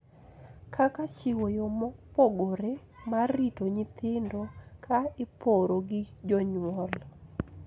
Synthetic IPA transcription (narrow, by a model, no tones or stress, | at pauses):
kʰakat͡ʃɪwojomɔpoɡoɾe | maritoɲɪt̪ɪndokʰaɪpoɾoɡɪd͡ʒɔɲwɔl